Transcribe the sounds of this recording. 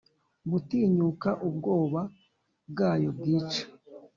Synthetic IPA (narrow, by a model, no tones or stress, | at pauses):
butiːɲukaʔub̚ɡo̞ːβa | bɡaːjo̞bɡiːt͡ʃḁ